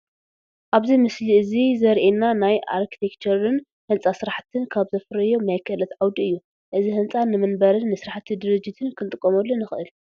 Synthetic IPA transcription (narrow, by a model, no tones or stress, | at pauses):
ʔaβzimɨsliɨzizɐɾʔenanajʔa̰ɾkʰi̥t̪ʰekt͡ʃʰɐɾɨn | hɨnt͡sʼasɨɾaħt̪ʰɨnkʰaβzɐfɨɾɐjomajkʰɐlɐt̪ʕawd̪iɨjːu | ʔɨzihɨnt͡sʼanɨmɨnbɐɾɨnːɨsɨɾaħt̪ʰːid̪ɨɾɨd͡ʒːit̪ʰɨnkʰɨnt̪ʼɨkʼːomɐlːonɨxɨʔɨl